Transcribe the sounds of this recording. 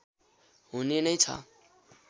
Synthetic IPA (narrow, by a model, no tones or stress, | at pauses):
ɦunenʌjt͡sʰʌ̰